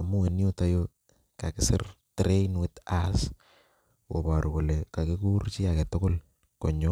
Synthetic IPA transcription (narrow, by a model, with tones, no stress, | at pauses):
a˨mu˦we˨njo˦ta˦jo | ka˨kɪ˦sɪ̰˦rtɾe˦nwɪ˦tas | wo̰˨ba˨ɾu˨ko˨lɛ˨ka˨kɪ˦ku˦rt͡ʃɪ˦a˨kɛ˨tʊ˦ko˦l | kɔ˨ɲɔ˦